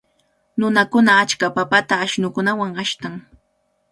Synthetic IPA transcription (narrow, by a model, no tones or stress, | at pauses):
nʊnakʊnaːt͡ʃkapapat̪aːʃnʊkʊnawaŋaʃt̪aŋ